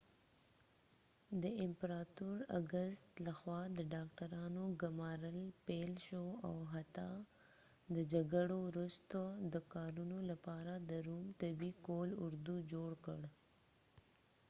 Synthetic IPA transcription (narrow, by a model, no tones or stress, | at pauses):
d̪əɪmpɾɑt̪uɾa̰ɡəst̪laxwɑd̪əɖɑk̚ʈaɾɑnoɡʊmɑɾəlpelʃoawɦat̪a | d̪əd͡ʒaɡaɽowɾust̪od̪əkɑɾunolapɑɾad̪əɾumt̪abikolʊɾd̪ud͡ʒoɽkəɽ